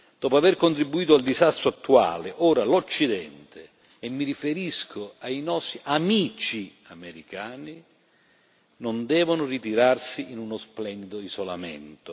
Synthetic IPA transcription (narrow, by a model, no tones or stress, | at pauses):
d̪̥ɔːpoaverkont̪ɾibːuiːt̪ʊald̪izast̪ɾoat̪ːua̰ːlɪʔɔːɾalot͡ʃːid̪ɛnt̪eː | mːirifeɾiskʰʊajnɔsiʔamiːt͡ʃi | ameɾikaːni | nond̪ɛːvʊnʊrit̪iɾarsiʔinunosplɛnd̪id̪oizola̰mɛ̰nt̪ʊ